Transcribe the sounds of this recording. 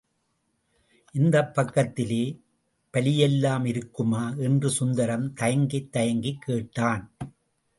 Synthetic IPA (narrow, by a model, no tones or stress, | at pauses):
ʔɪnd̪ɐpːɐkːɐt̪ːɪleː | pɐlɪjɛlːaːmɪɾɯkːɯmaːʔɛndrɯsʊnd̪ɐɾɐmt̪ɐjɐŋɡɪt̪ːɐjɐŋɡikːeːʈːaːn